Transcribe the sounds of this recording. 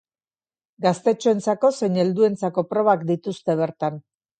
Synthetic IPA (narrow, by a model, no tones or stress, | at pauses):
ɡast̪e̞t͡ʃoe̞nt͡sako̞se̞jɲe̞ld̪ue̞nt͡sako̞pɾo̞βakd̪it̪ust̪e̞β̞e̞ɾt̪an